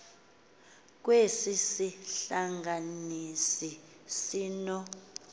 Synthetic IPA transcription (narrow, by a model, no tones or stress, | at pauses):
k̬wesisiɬaŋɡanisi | siːnɔ